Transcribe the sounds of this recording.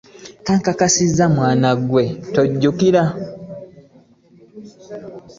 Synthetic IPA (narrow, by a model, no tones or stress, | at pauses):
kaŋkakasizːamwaːnaɡwe̞toɟːukiɾa